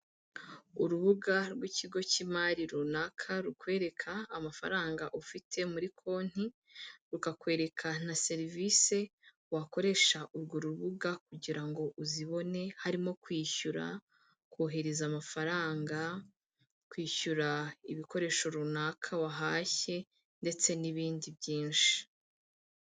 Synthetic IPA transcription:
uɾuβuɡaɾɡwiciɡo̞cimaɾiɾunakʰaɾukwe̞ːɾe̞kʰaːmafa̰ɾaːŋɡaʔufitʰe̞muɾikʰo̞ːn̥i | ɾukakwe̞ːɾe̞kʰan̥ase̞ɾivise̞ | wako̞ɾe̞ʃaʔuɾɡoɾuβuɡakuɟiɾaŋɡo̞ʔuziβo̞ne̞haɾimo̞kwiːçuɾa̰ | kwoːɦe̞ɾezamafaɾaːŋɡa | kwiːçuɾaiβiko̞ɾe̞ːʃo̞ɾunaːkʰawaɦaːçe̞ | nde̞t͡se̞niβiːndibjiːnʃi̥i̥

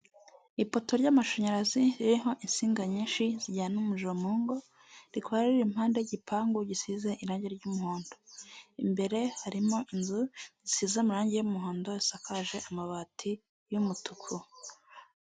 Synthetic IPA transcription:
ipo̞to̞ɾɟamaʃoɲaɾaziɾiɾiɦo̞ʔinsiːŋɡaɲiːnʃiziɟaːnumuʒomuːŋɡo̞ | ɾikwaɾɾiɾimhaːnde̞ɟipʰaːŋɡuɟisizeʔiɾaːɲɟe̞ɾɟumuhoːndoimbe̞ɾe̞haɾimoʔinzuɟisiːzamuɾaːɲɟejumuɦoːndoisakaʒe̞ʔamaβatʰi | jumutʰukʰu

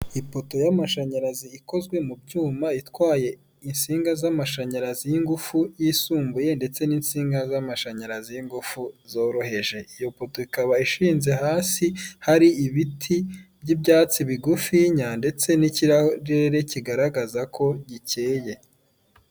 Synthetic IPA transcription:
ipo̞to̞jamaʃaɲaɾaziiko̞zɡwe̞mubɟuːmaitwaːje̞ | insiːŋɡazamaʃaɲaɾazijiŋɡufujisuːmbuje̞nde̞t͡se̞niːnsiːŋɡazamaʃaɲaɾazijiŋɡufuzo̞ːɾo̞ɦe̞ʒe̞ijo̞po̞to̞ikaβaiʃiːnze̞ɦaːsihaɾiiβitʰibɟibjaːt͡siβiɡufiɲande̞t͡se̞niciɾaɾeɾe̞ciɡaɾaɡazakʰo̞ɟice̞ːje̞

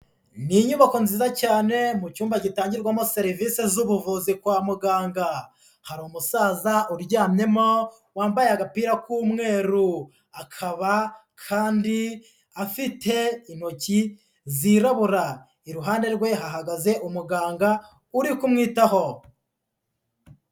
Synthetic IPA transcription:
niɲuβako̞nziːzacaːne̞mut͡ʃuːmbacitaːɲɟiɾɡwamo̞se̞ɾiviːse̞zuβuvuzikwaːmuɡaːŋɡa | haɾumusaːzaʔuɾɟaːmɲe̞mo̞ | waːmbajeaɡapiːɾakuːmŋe̞ːɾu | akʰaβa | kʰaːndi | afitʰe̞inho̞ci | ziɾaβuɾa | iɾuɦaːnde̞ɾɡwe̞ɦaɦaɡaze̞ʔumuɡaːŋɡa | uɾikumŋiːtaho̞

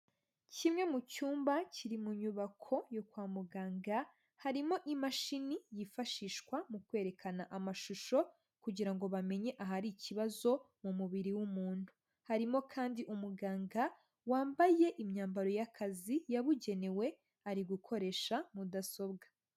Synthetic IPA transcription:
cimŋe̞mucuːmbaciɾimuɲuβakʰo̞jokwaːmuɡaːŋɡa | haɾimo̞ʔimaʃinijifaʃiːʃkwamukwe̞ːɾe̞kʰanaʔamaʃuʃo̞ | kuɟiɾaŋɡo̞βame̞ɲe̞ʔaɦaɾiciβazo̞ | mumuβiɾiwumuːn̥hu | haɾimo̞kʰaːndiʔumuɡaːŋɡa | waːmbaje̞ʔimɲaːmbaɾo̞jakʰazijaβuɟe̞ne̞we̞ | aɾiɡukʰo̞ɾe̞ːʃamudaso̞bɡḁ

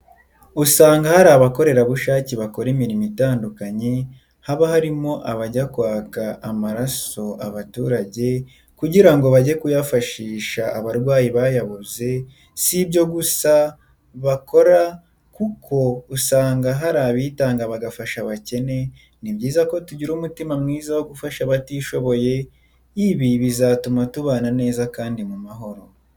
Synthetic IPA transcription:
usaːŋɡahaɾaːβako̞ɾe̞ɾaβuʃaːciβako̞ɾemiɾimitaːndukaɲe̞ | haβahaɾimo̞ʔaβaɟakwaːkaːmaɾaso̞ʔaβatuːɾaɟe̞ | kuɟiɾaŋɡo̞βaɟe̞kujafaʃiːʃaːβaɾɡwaːjiβaːjaβuze̞ | sibɟo̞ɡusa | βako̞ɾa | kukʰo̞usaːŋɡaɦaɾaβiːtaːŋɡaβaɡafaʃaβace̞ne̞ | nibɟiːzako̞tuɟiɾuːmutimamŋiːzawo̞ɡufaʃaβatiːʃo̞βo̞je̞ | iβiβizatumatuβaːnane̞ːzakaːndimumaɦo̞ɾo̞

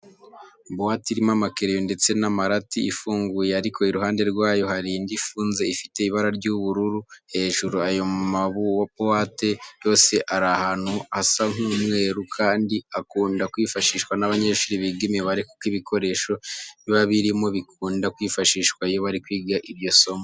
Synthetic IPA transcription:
bowatiɾimamakeɾejonde̞t͡se̞namaɾatiifuːŋɡujeaɾikʰo̞iɾuɦaːnde̞ɾɡwaːjo̞haɾiːndifuːnze̞ifi̥te̞iβaɾaɾɟuβuɾuɾuhe̞ːʒuɾuajo̞maβuwabowate̞jo̞ːse̞ʔaɾahan̥huasaŋuːmwe̞ːɾukʰaːndiakuːndakwifaʃiːʃkwanaβaɲeːʃuɾiβiɡimeβaɾiku̥kiβikʰo̞ɾe̞ːʃo̞niβaβiɾimo̞βikuːndakwiːfaʃiːʃkwaijo̞βaɾikwiːɡaʔiβjo̞so̞mo

